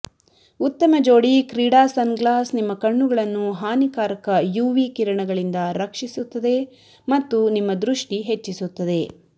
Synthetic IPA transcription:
ut̪ːɐmɐd͡ʒoːɽikɾiːɽaːsɐnɡlaːsnimːɐkɐɳːuɡɐɭɐnːuɦaːnikaːɾɐkɐjuːʋiːkiɾɐɳɐɡɐɭind̪ɐɾɐkʂisut̪ːɐd̪e̞ | mɐt̪ːunimːɐd̪ɾuʂʈiɦe̞t͡ʃːisut̪ːɐd̪e̞

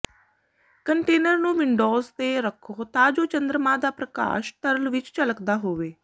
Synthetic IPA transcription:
kəɳʈeːnəɾnũːʋɪɳɖoːzt̪eːɾəkʰːoːt̪ãːd͡ʒoːt͡ʃənd̪ɾəmãːd̪aːpɾəka̰ːʃʈ̪əɾəlʋɪt͡ʃt͡ʃələkd̪aːɦoːʋeː

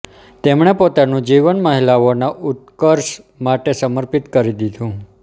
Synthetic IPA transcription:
t̪emɳ̃epot̪anũd͡ʒiʋənməɦilaonaʔut̪̚kəɾʃ | maʈesəməɾpit̪kəɾid̪id̪ʱũ

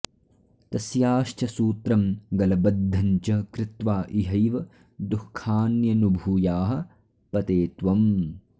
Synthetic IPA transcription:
t̪ɐsjaːʃt͡ʃʰɐsuːt̪ɾɐmɡɐlɐbɐd̪ʱːɐɲt͡ʃɐkɾɪt̪ʋaːʔiɦɐjʋɐ | d̪ukʰːaːnjɐnubʱuːjaːɦɐ̆ | pɐt̪eːt̪ʋɐm

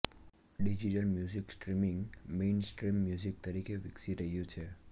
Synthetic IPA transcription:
ɖid͡ʒiʈəlmjuziksʈɾimɪŋɡmensʈɾimːjuzik̚t̪əɾikeʋɪksiɾəɦijũt͡ʃʰe

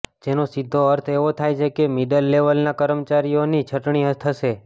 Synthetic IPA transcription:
d͡ʒenosid̪ʱːoəɾt̪ʰeʋot̪ʰajt͡ʃʰekemiɖəlːeʋəlnakəɾəmt͡ʃaɾijonit͡ʃʰəʈɳiɦət̪ʰəʃe

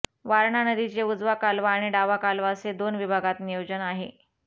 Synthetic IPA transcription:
ʋaɾɳanəd̪it͡ɕeud͡zʋakalʋaːɽ̃iɖaʋakalʋased̪onʋibʱaɡat̪nijod͡ʑənaɦḛ

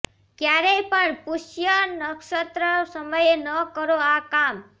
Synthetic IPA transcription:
kjaɾejpəɳpuʃjənəkʃət̪ɾəsəməjenəkəɾoakam

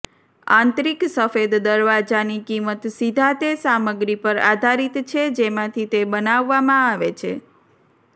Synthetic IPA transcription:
ã̰nt̪ɾiksəfed̪ːəɾʋad͡ʒanikimət̪sid̪ʱat̪esaməɡɾipəɾa̰d̪ʱaɾit̪t͡ʃʰed͡ʒemãt̪ʰit̪ebənaʋːamãaʋet͡ʃʰe

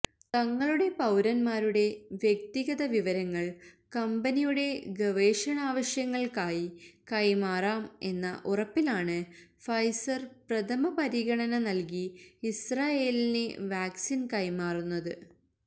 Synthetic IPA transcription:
t̪ɐŋːɐɭuɽe̞pɐwɾɐnmaːɾuɽe̞ʋjek̚t̪iɣɐðɐʋiʋɐɾɐŋːɐɭkɐmbɐnijuɽe̞ɡɐʋe̞ːʂɐnaːʋɐɕjɐŋːɐɭkaːjikɐjmaːraːme̞̰nːɐʔurɐpːilaːɳɨfɐjsɐrprɐt̪ʰɐmɐpɐɾiɣɐɳɐnɐnɐlk̬iːsraːje̞ːlineʋaːksinkɐjmaːrunːɐðɨ

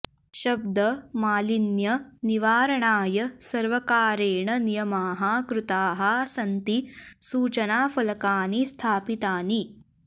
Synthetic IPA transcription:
ʃɐb̚d̪ɐmaːlinjɐniʋaːɾɐɳaːjɐsɐɾʋɐkaːɾeːɳɐnijɐmaːɦɐkɾut̪aːɦɐsɐnt̪isuːt͡ʃɐnaːfɐlɐkaːnist̪ʰaːpit̪aːni

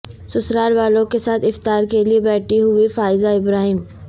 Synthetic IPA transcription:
sʊsɾaːɾʋaːlõkesaːt̪ɪft̪aːɾkeliebɛːʈʰiɦʊifaːɪzaɪbɾaːɦɪm

